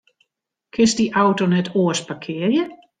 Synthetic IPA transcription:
kʰɪnsdiʔawtonɛtʰoəspakʰɪərjə

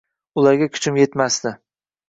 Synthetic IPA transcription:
ʊlaɾɡʲakʲʰʊ̥t͡ʃʰɪmje̞t̪masd̪ɪ

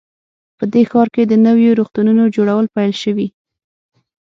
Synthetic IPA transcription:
pəd̪exɑɾked̪ənəwjoɾoxt̪ununod͡ʒoɽawəlpajlʃəwi

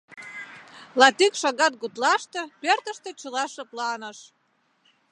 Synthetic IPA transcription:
lɑt̪ikʃɑɣɑt̪̚ɣut̪lɑʃt̪ĕpørt̪əʃt̪ĕt͡ɕəlɑʃə̆plɑnəʃ

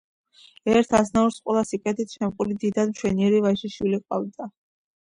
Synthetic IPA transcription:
ɛɾt̪ʰasnauɾsqʼwɛlˠasipʼɛt̪ʰit̪ʰʃɛmqʼulid̪id̪ad̪mt͡ʃʰwɛniɛɾivaʃiʃwiliqʼwa̰vd̪a

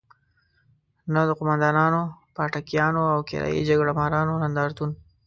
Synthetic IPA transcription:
nad̪əqʊmand̪ɑnɑnopɑʈakjɑnoawkɪ̰ɾɑ̰jḭd͡ʒaɡɽamaɾɑnonand̪ɑɾt̪un

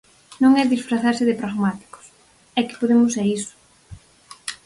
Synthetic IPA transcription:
nõŋɛðisfɾaθaɾsɪðɪpɾaɣmat̪i̥kʊ̥s | ɛkɪ̥poðemʊsɛisʊ̥

